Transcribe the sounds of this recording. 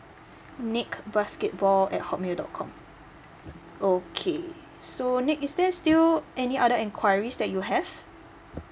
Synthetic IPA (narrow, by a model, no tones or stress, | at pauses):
nikbaskɛt̚bɔlɛ̰t̚hɔʔ̚meldɔ̰t̚kʰɔ̰̃m | okʰe | sonikisdɛstilɛniʔaɾəɛ̃nkʰwajɹisdɛt̚juɦɛv̥